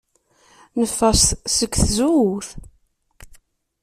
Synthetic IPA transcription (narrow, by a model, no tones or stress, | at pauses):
nəfːæst̪səkːθzuwθ